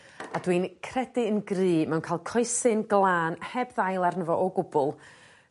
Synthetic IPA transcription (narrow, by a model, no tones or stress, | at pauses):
adwinkʰrɛdɪənɡrɨːmɛwnkʰajlˠkʰɔjsɨnɡlˠaːnhɛbðajlˠarnəvɔʔɔɡʊbʊlˠ